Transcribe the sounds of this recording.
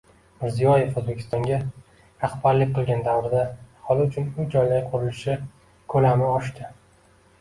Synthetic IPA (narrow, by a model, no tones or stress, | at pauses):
mɪɾzijɒje̞fozbe̞kʲʰɪ̥st̪ɒŋɡʲa | ɾaχbaɾlɪkʲqʰɨlˠɡʲand̪avɾɪd̪ahɒlˠɪʊt͡ʃʰʊnʊd͡ʒɒjlajqʰʊɾɪlɪʃɪ | kʰɵlamɪɒʃt̪ɪ